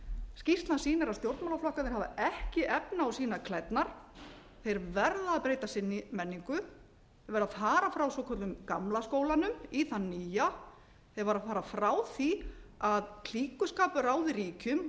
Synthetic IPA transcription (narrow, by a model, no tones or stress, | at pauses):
scist̪nasiːnɪɾast̪jowɾt̪mawlaflɔhkanɪɾhavaɛhcɪʔɛpnɪawsiːnakʰlɛt̪naɾ̥ | θejɾvɛɾðaːðpɾeːjt̪asɪnːɪmɛnːiŋkʏ | θevaɾaðfaːɾafɾawsɔːkʰɔɾʏmkamlaskoːwlanʏmiθanːiːja | θejɾvaɾaðfaːɾafɾawθiaðl̥iːkʏskaːpʏɾaːwðɪriːcʏm